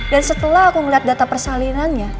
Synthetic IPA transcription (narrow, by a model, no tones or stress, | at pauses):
dansət̪əlaɦakuŋəliɦat̪̚dat̪apərsalinanɲa